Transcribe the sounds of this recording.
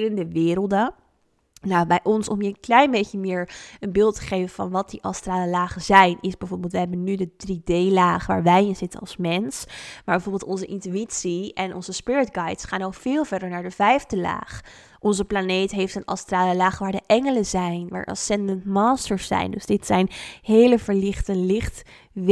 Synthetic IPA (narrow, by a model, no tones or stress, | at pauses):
ləndəʋɪːɾəlˠdə | nawbɛjʔɔnsɔmiəklɛjnbejçəmɪːɹənbɪlˠtə̥χejvəvɑ̰nʋɑt̚diʔɑstraːləlaːχəzɛjnʔɪzbɛvoːɹbɪlˠtʋəɦɛbənydədridejlaːχʋaːɹʋɛjɪnzɪtənɑ̰lˠsmɛnsmaːbɛvoɹbɪlˠtɔnzəʔɪntyitsiɛnʔɔ̰nzəspɪɹətɡɑjtsχaːnokfɪːlˠvɛɹdəɹnaːɹdəvɛjvdəla̰ːχ | ʔɔnzəplanejtɦejftənɑ̰straːləlaːχʋaːɹdəʔɛŋələzɛjnʋa̰ːɹʔɑ̰sɛndəntmaːstəɹsːɛ̰jndɵzd̥ɪtsɛjnɦejləvəɹlɪχtəlɪχt | ʋ